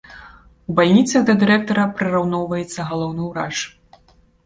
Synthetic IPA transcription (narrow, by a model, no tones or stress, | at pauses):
ubalʲnʲit̪sɐɣd̪ɐd̪ɨɾɛk̚t̪ɔɾɐpɾɨɾawnɔwvɐjɛt̪sːɐɣalˠɔwnɨwɾaʂ